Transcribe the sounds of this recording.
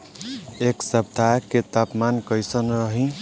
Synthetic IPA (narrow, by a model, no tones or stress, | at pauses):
eksʌb̚d̪ʱaket̪apmankʌjsənɾʌɦĩ